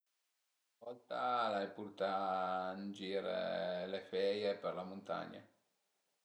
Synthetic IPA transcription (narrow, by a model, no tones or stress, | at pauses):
vɔlt̪alajputut̪and͡ʒiːɾḛlefɛjeperlamont̪a̰ɲːa̰